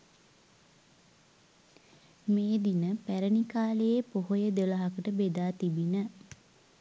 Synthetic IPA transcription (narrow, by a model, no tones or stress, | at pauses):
meːd̪inəpæɾənikaːləjepoɦojəd̪eləɦakəʈəbed̪aːt̪ibinə